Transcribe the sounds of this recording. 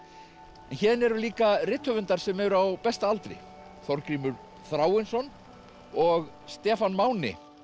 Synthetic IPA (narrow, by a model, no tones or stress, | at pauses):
ɛnçɛːðnɛɾʏliːkarɪt̪hœvʏnt̪aɾ̥sɛmɛðɾawpɛst̪aalt̪ɾɪ̰ | θɔɾkɾiːmʏɾ | θɾaːwɪnsɔn | ɔɣ | st̪ɛːfanmaːwnɪ̰